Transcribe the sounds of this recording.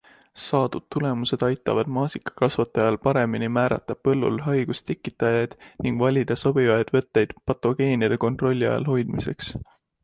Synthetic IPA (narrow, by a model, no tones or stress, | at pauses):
sɑːd̪̥ud̪̥̚t̪ːule̞muse̞d̪̥ɑjt̪ːˑɑ̰vɑd̪̥mɑːsikˑɑ̥kɑsvɑt̪ːˑɑjɑlpɑɾe̞minimæːɾɑ̰t̪ːˑɑpɤ̞lːṵlɦɑjɡ̥ust̪ekːˑit̪ːˑɑjɑjd̪̥niŋɡ̥vɑlʲid̪̥ɑso̞b̥ivɑjd̪̥vɤt̪ˑːe̞jd̪̥pɑt̪ːˑo̞ɡ̥e̞ːnjɑd̪̥e̞ko̞nt̪ro̞lʲːiɑ̰jɑ̰lɦo̞jd̪̥mise̞̰ks